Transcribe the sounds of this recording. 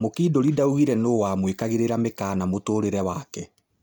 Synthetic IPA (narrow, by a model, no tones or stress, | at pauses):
mokiːdoɾidauɣiɾɛnoːwaːmwekaɣeɾeɾamekaːnamotoːɾeɾɛwakɛ